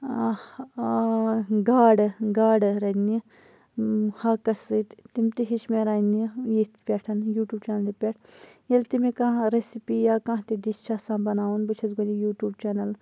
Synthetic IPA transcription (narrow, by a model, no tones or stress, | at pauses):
ɡaːɽɡaːɖɾɐni | haːkɐsɨt̪t̪imt̪iɦiʃmeɾaːnijet̪pʲeːʈʰɐnjuːʈjuːb̚t͡ʃaːnɐlipʲeʈʰjelt̪imekãɾesipijaːkãːɦt̪iɖist͡ʃʰasãːbɐnaːwunbɨt͡ʃʰɐzɡonijuːʈjuːbt͡ʃeːnɐl